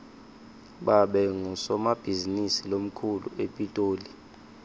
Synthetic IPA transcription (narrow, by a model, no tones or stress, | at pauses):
ɓaɓɛŋɔsɔmab̥ʱizinisilom̩kʰulṵepʼitʼoːli